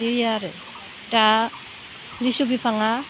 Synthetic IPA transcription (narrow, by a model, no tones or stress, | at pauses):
iɾjaɾe | ta | lisubipʰaŋa